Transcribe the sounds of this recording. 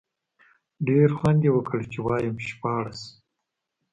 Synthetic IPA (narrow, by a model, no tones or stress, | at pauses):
ɖeɾxwand̪ewəkəɽt͡ʃewɑːjamʃpɑːɽas